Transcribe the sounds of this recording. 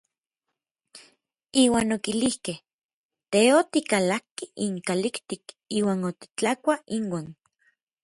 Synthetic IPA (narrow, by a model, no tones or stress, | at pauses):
iːwaːnokilihkeh | t̪eot̪ikalakːiʔiŋkalikt̪ik | iːwaːnot̪i̥t͡ɬakʷaiŋwaːn